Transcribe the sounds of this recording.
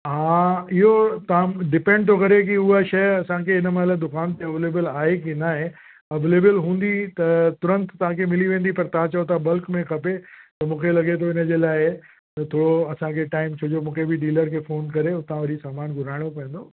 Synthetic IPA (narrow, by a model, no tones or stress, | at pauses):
ɦãːɪɦot̪ɐãɖɪpẽːɳɖt̪ʰokɐɾek̬iʊaʃɐjɐsãkʰeɪnəmɐɦɪlad̪ʊkaːnt̪eɐʋeːleːbəlaːɦekinaːɦẽ | ɐʋeːleːbəlɦũːnd̪it̪ɐt̪ʊɾə̃nt̪t̪ɐʋ̤ãkʰemɪliʋẽːn̆d̪ipɐɾt̪ɐãt͡ɕɐot̪ʰabɐlkmẽkʰɐpet̪ɐmũːkʰelɐɠet̪̬ʰoɪnəd͡ʑeːlaːɪ | t̪ɐt̪ʰoːɽoɐsãkʰeʈaːɪmt͡ɕʰoːd͡ʑomũːkʰebɪɖiːləɾkʰeːfoːnkɐɾeʊt̪ãʋɐɾisaːmaːnɡʱʊɾ̤aːɪɽ̃opɐ̃ə̃n̆d̪oː